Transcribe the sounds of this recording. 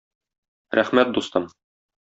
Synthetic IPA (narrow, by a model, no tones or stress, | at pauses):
ɾʔæχmæt̪̚d̪ust̪ɤm